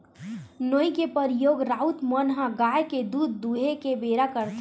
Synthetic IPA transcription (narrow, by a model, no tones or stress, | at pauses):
noikepəɾjoːɡɾaut̪mənɦãɡajked̪uːd̪ːuɦekebeɾakəɾt̪ʰ